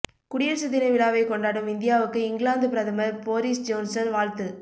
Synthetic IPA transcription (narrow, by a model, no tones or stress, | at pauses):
kʊɽɪjɐɾsɪðɪnɐʋɪɽaːʋɐɪkɔɳɖaːɽɯmɪnd̪ɪjaːʋɯkːɯɪŋɡɭaːnd̪ɯpɪɾɐðɐmɐɾpoːɾisd͡ʒoːnsɐnʋaːɻt̪ɯ